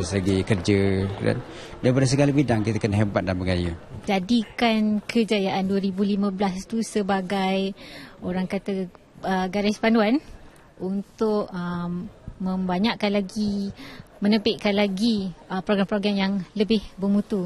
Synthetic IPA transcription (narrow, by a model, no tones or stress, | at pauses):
slaɡikərd͡ʒəkda̰n | dajpadas̬əɡalabidaŋkit̪akənaɦebat̪̚danbəɡajud͡ʒadikankʰəd͡ʒajaʔanduəɾibulimə̃blast̪usəbaɡajoɾaŋkat̪a | əɡaɾɪspanduan | unt̪ʊʔə | mə̃mbaɲaʔkanlaɡi | mənəpɪʔ̚kanlaɡiəpɾoɡɾampɾoɡɾamjaŋləbɪhbərmũt̪u